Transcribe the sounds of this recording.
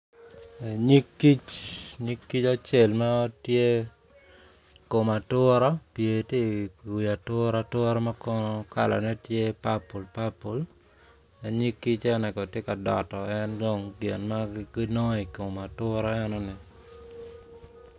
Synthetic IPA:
e˨ɲi˦kːi˦t͡ʃɲi˦kːi˦t͡ʃa˦t͡ʃe˦˨lma˦ɔ˦tje˦ | ko˨ma˨tʊ˦ɾɔ˦pje˨ti˦i˨ja˨tʊ˦ɾa˨tʊ˦ɾɔ˦ma˦kɔka˦la̰˨nɛ˦tje˦pa˦pu˨lpa˦pu˨l | ɛ˨ɲi˦kːi˦t͡ʃɛ˦ɔ˦nɛ˨kɔ˨tje˦ka˨dɔ̰˨tɔ˨ɛ˦ndɔ˦ŋɡe˨nma˦ɡi˦nɔ˦i˨ko˨ma˨tʊ˦ɾɔ˦ɛ˦nɔ˦nɪ˨

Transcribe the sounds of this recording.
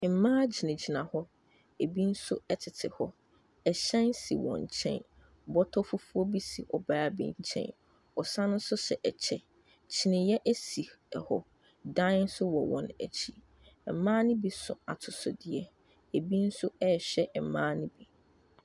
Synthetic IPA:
m̩˨mãː˦d͡ʑi˨nɪ̃˨d͡ʑi˨nã˨hɔ˦ | e˨bi˦n̩˦sʊ˦ɛ˦tʰɪ˨tʰɪ˨hɔ˦ | ɛ˨ɕɛ̃˦nsi˨wɔ̰̃˨ɲ˨t͡ɕʰɛ̰̃˦n | bɔ˦tʰɔ˦fu˦fu˦ɔ˦bi˦si˨ɔ˨baː˨˦a˨bḭ̃˨˦t͡ɕʰɛ̰̃˦n | ɔ˨sã˦nʊ̃˦n̩˦sʊ˦ɕɛ˨ʔɛ˨t͡ɕʰɛ˨ | t͡ɕʰɪ˦nɪ̃˨jɛ˦ʔæ˦si˨ | ɛ˨hɔ˨ | dã˦n̩˦sʊ˦wɔ˨wɔ̰̃˨næ̰˨t͡ɕʰi˦˨ | mãː˦nɪ̃˦bi˨sʊ̰̃˨a˨tʰʊ˨sʊ˨dɪ˨ɛ˨ | e˨bi˦n̩˦sʊ˦ɛ˦˨ɕᶣɛ˦˨mãː˦nĩ˦bi˨

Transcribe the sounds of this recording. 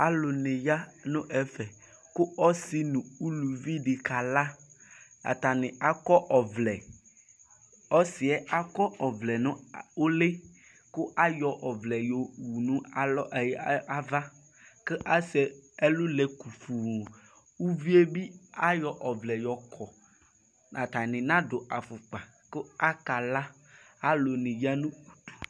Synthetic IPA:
a˦lʊ˨nɪ̃˨ja˦nʊ̃˦ʔɛ˨fɛ˨ | kʊ˦ɔ˦si˨nũ˨u˦lu˨vi˦ɖi˨ka˨la˦ | a̰˨t̪a˨nɪ̃˨a˦kɔ˦ʔɔ˨vlɛ˨ | ɔ˦sɪ˨ɛ˦a˦kɔ˦ʔɔ˨vlɛ˨nʊ̃˦o˦le˦ | kʊ˦ʔa˦jɔ˨ʔɔ˨vlɛ˨jo˨wu˨nũ˦˨lɔ˦ʔja˦va˦ | ke˦ʔa˦se˨e˦lu˦le˨ku˨fu˨ | wu˦vi˦e˦bi˦a˦jɔ˨ʔɔ˨vlɛ˨jɔ˨kʰɔ˨ | nã˨t̪a˨nɪ̃˨nã˦d̪o˨a˨fu˨k͡pa˨ | ko˦a˦ka˨la˦ | a˦lo˨nĩ˨ja˦nũ˦u˨t̪u̥˨

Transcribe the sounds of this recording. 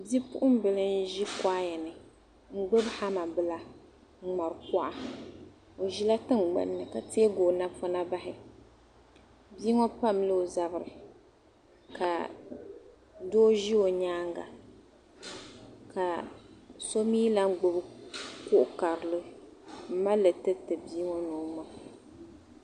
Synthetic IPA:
bi˦pʊ̰˦ʔʊ˦m˦bɨ˨lɨ˦n˦ʒi˦ka˦jɛ˨nɨ˨ | ŋ̩˦ɡ͡bo˦bha˦ma˨bɨ˦la˦ | ŋ͡m̩˦˨ŋ͡ma˨ɾɨ˨kɔ˦ʔa˦ | o˨ʒi˦la˦tɨ˦ŋ˨ɡ͡ba̰˨nː˦˨ɨ˨ka˨teː˦ɡoː˨na˦fɔ˦na˦ba˦ɦɪ˨ | biː˦ŋɔ˦pa˦mlɨ˦o˨za˨bɨ˨ɾɨ̰˨ | ka˨ | doː˦ʒi˦o˨ɲaː˦ŋɡa̰˨ | ka˨ | so˦miː˦la˦ŋ˦ɡ͡bʊ˦bɨ˦kʊ˦ʔʊ˦ka˨ɾɨ˨lɨ˦m̩˦ma˦lɨ˨tɨ˦tɨ˨biː˦ŋɔ˦noː˨˦mɔ˦

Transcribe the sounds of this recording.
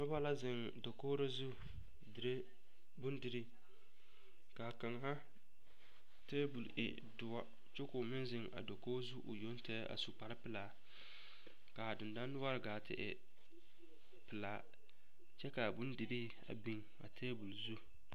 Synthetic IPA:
nʊ˦ba˦la˦zɪ˨ŋ | do˨koː˦ɾa˦zu˦ | dɾe˦ | bʊ˦ndɪ˨ɾɪ˦ | ka˨ka˨ŋha˦ | teː˦bu˨lɪ̰˨ | dʊ˨wa˦ | t͡ʃo˦kʊ˨mɪ˦nzɪ˨ŋa̰˨do˨koː˦zu˦ʔʊ̰˨jo˦n˦tɛ˦a̰˨su˨k͡pa˨ɾɪ˦pɪ˨laː˨ | ka˨dʊ˨nda˦nː˦ʊ˦a˦ɾɪ˨ɡaː˨tʰɪ̰˨ʔɪ̰˨ | pɪ˨laː˨ | t͡ʃɛ˦ka˨bʊ˦ndɪ˨ɾɪ˦ | a̰˨bi˦ŋ | a̰˨tʰeː˦bu˨lzu˦

